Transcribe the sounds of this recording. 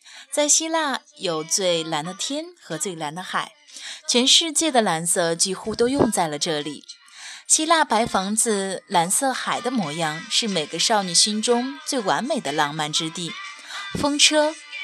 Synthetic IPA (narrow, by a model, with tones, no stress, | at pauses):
t͡sa˥˩ɪɕi˥la˥˩jo˨˩ʊt͡swe˥˩ɪla˧˥nd̪ə˧t̪ʰjɛ˥nxɤ˧˥t͡swe˥˩ɪla˧˥nd̪ə˧xa˨˩˦ɪt͡ɕʰɥɛ˧˥nʂɻ̩˥˧t͡ɕjɛ˥˩d̪ə˩la˧˥nsɤ˥˩t͡ɕi˥xu˥t̪o˥ʊjʊ˥˧ŋt͡sa˥˩ɪlə˩ʈ͡ʂɤ˥˩lḭ˨˩˦ | ɕi˥la˥˩pa˧˥ɪfɑ˧˥ŋd͡zɹ̩˧la˧˥nsɤ˥˩xa˨˩ɪd̪ə˦mwɔ˧˥jɑ˥ŋʂɻ̩˥˩me˨˩ɪɡə˧˦ʂɑ˥˧ʊni˥˩ɕi˥nʈ͡ʂʊ˥ŋt͡swe˥˩ɪwa˧˥nme˨˩ɪd̪ə˦lɑ˥˧ŋma˥˩nʈ͡ʂɻ̩˥t̪i˥˩ | fɤ˥ŋʈ͡ʂʰɤ˥